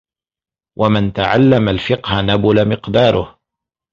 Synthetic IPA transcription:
wʔamɪnt̪aʕalːamalfɪqhanabʊlamɪqd̪ɑːɾˤʊh

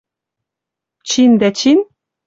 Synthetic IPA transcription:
t͡ɕind̪æt͡ɕin

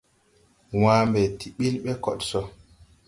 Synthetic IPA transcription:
waːmbɛtiɓilɓɛkɔɗsɔ

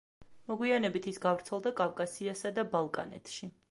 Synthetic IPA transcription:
mɔɡwianɛbit̪ʰisɡavɾt̪sʰɛlˠd̪akʼavkʼasiasad̪abalˠkʼa̰nɛ̰t̪ʰʃi

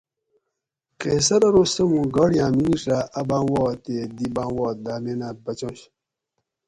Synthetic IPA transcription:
keːsɐɾɐɾosɐmũɡɐɽjãːminiʂaʔɐbãːwɔːt̪ed̪ibãːwɔːt̪̚d̪aːmenabɐt͡ɕõɕ

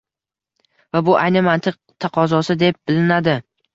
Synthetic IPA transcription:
vabʊʔajnɪmant̪ʰɨq̚t̪ʰɑqʰɒzɒsɪd̪e̞p̚bɪlɪnad̪ɪ

